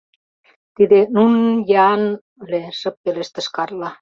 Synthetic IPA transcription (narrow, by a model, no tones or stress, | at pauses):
t̪id̪enunɤ̆njɑn | leʃɤ̆p̚ːeleʃt̪ə̆ʃkɑrlɑ